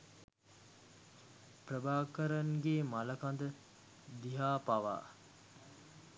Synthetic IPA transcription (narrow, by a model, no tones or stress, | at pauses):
prəbaːkəɾaŋɡeːmaləkand̪ə | d̪iɦaːpaʋa̰ː